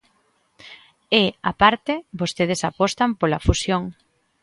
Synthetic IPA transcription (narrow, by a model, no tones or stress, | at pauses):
eapaɾt̪ebost̪eð̞esapɔst̪ampolafusjoŋ